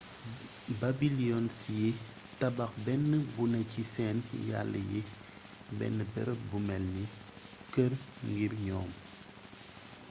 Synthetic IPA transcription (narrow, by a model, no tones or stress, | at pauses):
babiliɔnsiji | tabak̚bɛnːəbunɐcisɛnja̰lːə̰ji | bɛ̰nːəbɛ̰ɾbumɛlni | kəɾ | ŋɡiɾɲɔːm